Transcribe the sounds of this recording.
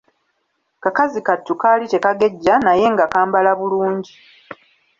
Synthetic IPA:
kakazikatːukaːlite̞kaɡe̞ɟːanaje̞ŋɡakaːmbalaβuluːɲɟi

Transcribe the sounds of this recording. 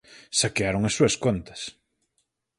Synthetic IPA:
sakeaɾoŋɐsːuɐskont̪ɐ̥s

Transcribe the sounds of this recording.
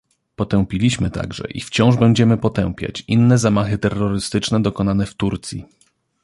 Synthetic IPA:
pɔt̪ɛwpʲilʲiɕmɘt̪a̰ɡʐɛ̰ʔḭft͡ɕɔ̃w̃ʐbɛɲd͡ʑɛmɘpɔt̪ɛw̃pʲja̰t͡ɕinːɛzamaxɘt̪ɛrːɔɾɘst̪ɘt͡ʂnɛd̪ɔkɔnanɛft̪uɾt̪sʲjḭ

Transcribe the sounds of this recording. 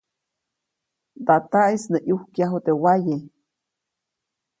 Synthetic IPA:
t̪at̪aʔisneʔjuhkjaɦot̪ewaje

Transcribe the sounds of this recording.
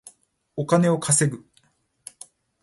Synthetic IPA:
okane̞o̞kʰase̞ɡɯ̟

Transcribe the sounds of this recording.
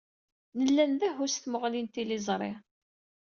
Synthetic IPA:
nəlːænðæɦʊsθməʁlint̪ilizˤɾˤɪ̰

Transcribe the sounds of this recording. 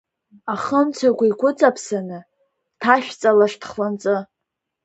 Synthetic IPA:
aχəmt͡sʷʰaɡʷaikʷʊt͡sʼapʰsanɨ | tʰaʃᶣt͡sʼalaʂtʰχlant͡sʼɨ

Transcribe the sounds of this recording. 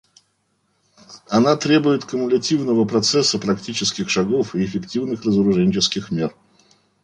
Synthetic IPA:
ɐnat̪ɾʲe̞bʊjɪt̪kəmʊlʲɐtʲivnəvəpɾɐt̪sɛsːəpɾɐktʲit͡ɕɪskʲɪxʂɐɡofɪɪfʲɪktʲivnɨxrəzəɾʊʐɛnʲt͡ɕɪskʲɪxmʲe̞r

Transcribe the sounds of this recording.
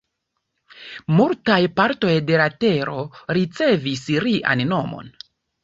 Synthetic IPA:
multajpaɾto̞jde̞late̞ɾo̞ɾit͡se̞visɾiʔa̰nno̞mo̞̰n

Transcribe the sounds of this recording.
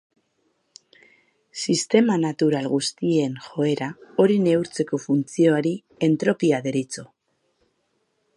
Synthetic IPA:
sist̪e̞manat̪uɾalɣust̪ie̞nxo̞e̞ɾao̞ɾine̞wɾt͡se̞ko̞funt͡sio̞aɾi | e̞nt̪ɾo̞piaðe̞ɾit͡so̞

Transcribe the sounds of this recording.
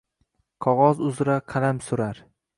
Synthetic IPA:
qʰɒʁɒzʊzɾaqʰɑlamsʊɾaɾ

